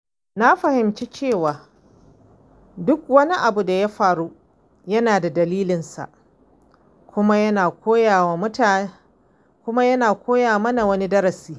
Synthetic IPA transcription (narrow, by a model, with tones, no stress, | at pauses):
na˦ɸɐ˨hɪ˨mt͡ʃe˦t͡ʃeː˦˨waː˨ | dʊ˦k̚wɐ˦ni˦ʔa˨bu˨da˨ja˦ɸaː˨ɽu˦ | jɐ˦naː˨da˨dɐ˨liː˦lɪ˨nsa̰˨ʔ | kʷʊ˦ma˦jɐ˦naː˨koː˦ja˨wa˨mʊ˦ta˨ | kʷʊ˦ma˦jɐ˦naː˨kʷʰoː˦jaː˨mɐ˦na˨wɐ˦ni˦dɐ˦ɾɐ˨siː˦